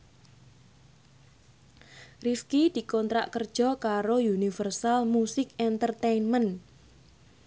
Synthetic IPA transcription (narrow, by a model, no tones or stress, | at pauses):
rifkid̪̥i̤kɔnt̪ɾaʔkərd̥ʒ̥ɔ̤kaɾojunifərsalmusɪkɛnt̪ərt̪enmən